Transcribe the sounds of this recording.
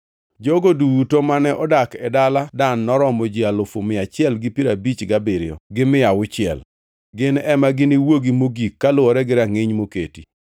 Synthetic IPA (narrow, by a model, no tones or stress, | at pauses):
d͡ʒoɡoduwutomanɛʔɔdakɛdaladanːɔɾɔmɔd͡ʒialʊfomɪat͡ʃɪɛlɡɪpiɾabit͡ʃɡabɪɾɪjɔ̰ɡɪmɪawʊt͡ʃɪɛ̰l | ɡɪnɛmaɡɪnɪwoɡimoɡikːalʊɔɾɛɡɪɾaŋɪɲmoketi